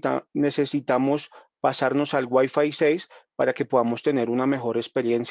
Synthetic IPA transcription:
ane̞se̞sit̪amo̞s | pasaɾno̞salɡwajfajse̞jspaɾake̞po̞ðamo̞st̪e̞ne̞ɾuname̞xo̞ɾe̞kspe̞ɾje̞ns

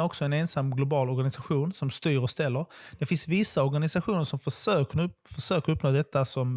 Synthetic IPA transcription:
ɾɔksɔɛnensamːɡlʊbɑːlɔɾɡanɪsaɧuːnsɔmst̪yːɾɔst̪ɛlːəɾ | d̪̥ɛfɪnsvɪsːaɔɾɡanɪsaɧuːnəɾʂɔmfəʂøːfœʂøːkəɾɵpːnoːd̪ɛt̪ːasɔm

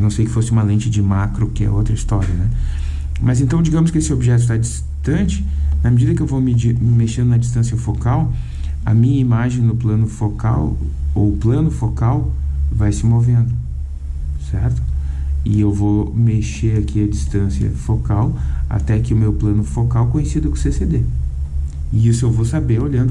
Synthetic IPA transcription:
nɐ̃w̃sejkɪ̥fosɪũmɐlẽt͡ʃɪd͡ʒɪmakɾʊkɪɛ̰owt̪ɾɐist̪ɔɾiɐnɛ | mɐzẽnt̪ɐ̃w̃d͡ʒiɡɐ̃mʊskɪesɪobiʒɛt̪̬ʊt̪ad͡ʒis | t̪ɐ̃t͡ʃɪ̥nɐmed͡ʒid̪ɐkɪewvomɪd͡ʒiɾmeʃẽd̪ʊnɐd͡ʒist̪ɐ̃siɐfokaw | ɐ̰mĩɲɐimaʒẽj̃nʊplɐ̃nʊfoka̰w | o̰plɐ̃nʊfokawvajsɪmovẽnd̪ʊ | sɛɾt̪ʊ̥ɪewvowmeʃeɾakʰiɐd͡ʒist̪ɐ̃siɐ̰fokawa̰t̪ɛkɪʊmewplɐ̃nʊfokawkõɲesid̪ɐkõsesed̪e | ɪisʊewvowsabeɾoʎɐ̃nd̪ʊ

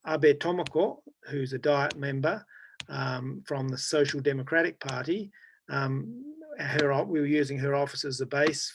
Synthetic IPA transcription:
ɑbɛtʰɑməkʰɔhʉzɨdaɪət̚mɛ̃mbə˞ | fɹʌ̃mðəsoʊʃl̩ˠdɛməkʰɹ̥æɾɨk̚pʰɑɹɾi | ə˞ɔwiwə˞jʉzɪ̃ŋə˞ɔfəsə˞zəbeɪs

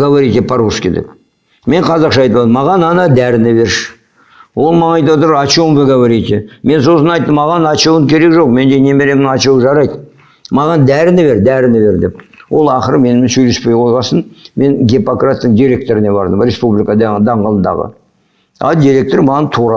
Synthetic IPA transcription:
ɡavaɾit̪epʰɑɾuskʲed̪ḛp | me̞ɴqʰɑzɑqʃɑjt̪əp̪ˠɑd̪əmːɑʁɑnɑnɑd̪æɾɪnɪbe̞ɾʃ | wo̞lˠmɑnɑjt̪̬ɑwt̪əɾɑt͡ʃowmveɡavaɾit̪ʲeme̞nso̞sənɑjt̪ːəmːɑʁɑnɑt͡ʃɑwəŋkʲʰe̞ɾe̞kʒo̞qme̞nd̪ene̞me̞ɾe̞mɑt͡ʃɑwʒɑɾɑjd̪ | mɑʁɑnd̪æɾɪnɪβe̞ɾd̪æɾɪnɪbe̞ɾd̪e̞pwo̞lˠɑχəɾəme̞nɪmɪnsɵjle̞spejqʰozʁɑsənme̞ŋɡʲepokrat̪ːəɴd̪ʲiɾʲe̞k̚t̪o̞ɾɪne̞bɑ̰ɾd̪əmɾʲe̞spublikəd̪d̪ɑɴʁəlˠənd̪ɑ̰ʁə̰ | ɑ̰d̪iɾʲe̞k̚t̪oɾmɑʁɑnt̪ʰuɾɑ

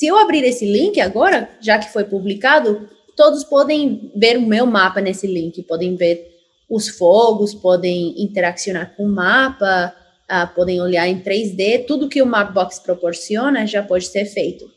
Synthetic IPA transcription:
sɪewabɾiɾesɪlĩŋkɪaɡɔɾɐʒakɪ̥fojpublikad̪ʊ | t̪od̪ʊspɔd̪ẽj̃veɾʊmewmapɐnesɪlĩŋkɪpɔd̪ẽj̃veɾ | ʊsfoɡʊspɔd̪ẽj̃ĩnt̪eɾaksiõnaɾkõʊmapɐ | apɔd̪ẽj̃oljaɾẽt̪ɾejzd̪et̪ud̪ʊkɪʊmap̚bɔkspɾopoɾsiõnɐʒapɔd͡ʒɪ̥seɾfejt̪ʊ̥

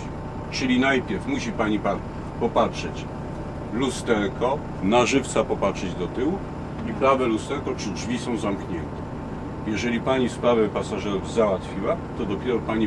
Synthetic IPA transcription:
t͡ʂɘlʲinajpʲjɛɾfmuɕipaɲipa | pɔpatʂɛt͡ɕ | lust̪ɛɾkʰɔ | naʐɘft̪sapɔpatʂɛd͡ʑd̪ɔt̪ɘwu | ipɾavɛlust̪ɛɾkɔt͡ʂɘd͡ʐvʲisɔ̃w̃zamkɲɛnt̪ɛ̥ | jɛʐɛlʲipaɲispɾavɛpasaʐɛɾuvzawat̪fʲiwat̪ɔd̪ɔpʲjɛɾɔpaɲi

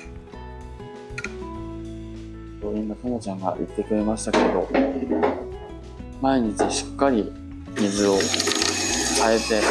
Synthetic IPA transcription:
t̪oĩmːat̪amot͡ɕãŋɡa̰ʔḭt̪ːe̞kɯ̟ɾe̞maɕi̥t̪ake̞d̪o̞ | maeɲ̟it͡ɕiɕi̥kːaɾʲi | mʲizɨo̞ | kae̞t̪e̞

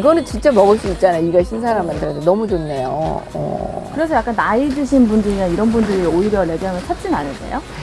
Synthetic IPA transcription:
iɡʌnɯnt͡ɕint͡ɕ͈amʌɡɯɭs͈uit̚t͡ɕ͈anajoiɡaɕʰinsʰaɾamːandɯɾʌtʰenʌmud͡ʑonːejo̰ʌ̰kɯɾe̞sʰʌjak͈anːaidɯɕʰinbundɯɾiɡaiɾʌnbundɯɾioiɾjʌɭe̞ɡjʌŋɯɭt͡ɕʰat̚t͡ɕ͈inanɯɭt͈ḛjo

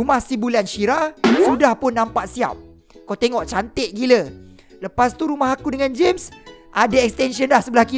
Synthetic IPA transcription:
umahsibulanʃiɾasudahpʊnːãmpaʔsia̰p̚ | kawt̪eŋɔʔt͡ʃant̪ɪʔ̚ɡilə | ləpast̪uɾumaɦakudəŋãnd͡ʒemsʔadaɛkst̪ɛnsiənlahsəbəlahki

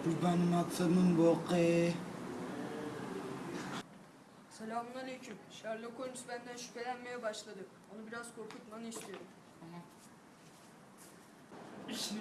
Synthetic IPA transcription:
bubanmat̪sʰanɯnboqe | selʲaːmunalʲejcʰumʃaɾlˠakʰonusbænd̪ænʃy̥pe̞lʲænme̞jɛbaʃlˠad̪ɯ | o̞nubiɾaz̥kʰo̞ɾkʰut̪̚manist̪ʰijoɾum

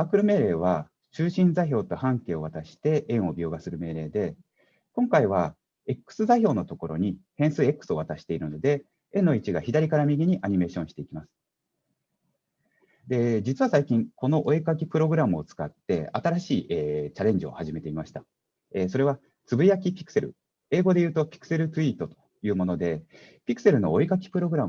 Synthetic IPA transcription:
aːkɯ̟ɾɯ̟me̞ːɾe̞ːβ̞a | t͡ɕɨːɕĩnd͡zaiçʲo̞ːt̪o̞hãŋke̞ːo̞βat̪aɕi̥t̪e̞ʔẽ̞ɰ̃o̞bʲo̞ːɡasɨɾɯ̟me̞ːɾe̞ːd̪e̞ | kõ̞ŋkaiβ̞a | e̞kːɯ̥sɨzaiçʲo̞ːno̞t̪o̞ko̞ɾo̞̰ɲ̟ihẽ̞ɰ̃sɨːe̞kːɯ̥sɨo̞βat̪aɕi̥t̪e̞iɾɯ̟no̞d̪e̞ | ẽ̞nːo̞it͡ɕiɡaçid̪aɾʲikaɾamʲiɡʲiɲ̟iʔaɲ̟ime̞ːɕõɕi̥t̪e̞ikʲimasɨ̥ | d̪e̞d͡ʑit͡sɨβasaikʲĩŋko̞no̞ʔoikak̬ʲipɯ̟ɾo̞ɡɯ̟ɾamɯ̟o̞t͡sɨ̥kat̪ːe̞at̪aɾaɕiːʔet͡ɕaɾẽ̞ɲ̟d͡ʑio̞̰haʑime̞t̪e̞imaɕi̥t̪a | eso̞ɾe̞β̞a | t͡sɨbɯ̟jakʲipʲi̥kɯ̟̥se̞ɾɯ̟̰ | e̞ːɡo̞d̪e̞jɯ̟ːt̪o̞pʲi̥kɯ̥se̞ɾɯ̟t̪ɨiːt̪o̞t̪o̞̥ | jɯ̟ːmo̞no̞d̪e̞ | pʲikɯ̟̥se̞ɾɯ̟no̞oikakʲi̥pɯ̟ɾo̞ɡɯɾam

